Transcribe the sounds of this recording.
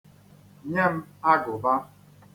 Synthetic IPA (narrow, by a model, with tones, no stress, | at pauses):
ɲe˦m̩˦a˦ɡʊ˨ba˦